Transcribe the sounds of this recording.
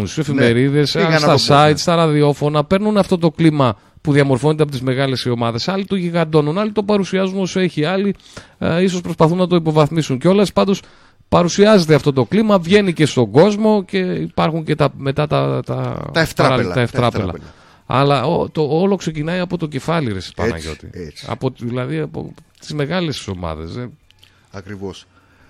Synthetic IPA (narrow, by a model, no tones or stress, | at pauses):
si̥sefimeɾiðe̞snst̪ɐsɐit̪st̪ɐɾɐðio̞fo̞nɐpe̞ɾnunɐft̪o̞t̪o̞klimɐ | puðiɐmo̞ɾfo̞net̪eɐpot̪izme̞ɣɐle̞sio̞mɐðe̞sɐlit̪o̞ʝiɣɐnd̪o̞nunɐlit̪o̞pɐɾusiɐzuno̞soe̞çiɐli | is̬o̞spɾo̞spɐθunːɐt̪o̞ipo̞vɐθmisunceo̞lespɐnd̪o̞s | pɐɾusiɐze̞t̪eɐft̪o̞t̪o̞klimɐvʝe̞nice̞st̪o̞ɡo̞zmo̞ce̞ipɐɾxuɲce̞t̪ɐme̞t̪ɐt̪ɐt̪ɐ̰ftt̪ɐeftt̪ɾɐelɐ̰ | ɐ̰lɐot̪oolo̞kse̞cinɐiɐpo̞t̪o̞ce̞fɐliɾesi̥pɐ̰nɐ̰ʝo̞̰t̪ḭɐ̰poðilɐðiɐpo̞̰t̪i̥zme̞ɣɐlesso̞mɐ̰ðḛse | ɐkɾivos